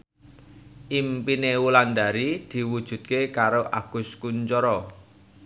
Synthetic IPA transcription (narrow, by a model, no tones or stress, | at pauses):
ʔimpinewuland̪a̤ɾid̪̥i̤wud̥ʒ̥ṳt̪̚kekaɾoʔaɡ̥ʊ̤skuɲt͡ʃɔɾɔ